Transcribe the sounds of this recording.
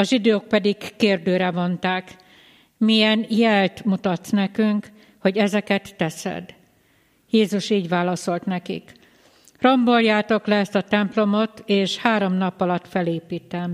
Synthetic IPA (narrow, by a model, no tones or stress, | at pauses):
ɒʒid̪øːk̚pɛd̪ikkeːrd̪øːɾɛvo̞nt̪aːk | mijɛnjɛlt̪mut̪ɒt̪snɛkyŋk | ho̞ɟɛzɛkɛt̪ːɛsɛ̰d̪ | jeːzuʃiːɟʋaːlɒso̞lt̪nɛkḭk | ro̞mbo̞ljaːt̪o̞klɛɛst̪ɒt̪ɛmplo̞mo̞t̪eːʃhaːɾo̞mnɒpːɒlɒt̪fɛleːpiːt̪ɛm